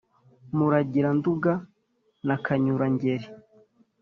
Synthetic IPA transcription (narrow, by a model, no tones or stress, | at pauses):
muɾaɟiɾanduɡa | nakʰaɲuɾaɲɟeɾi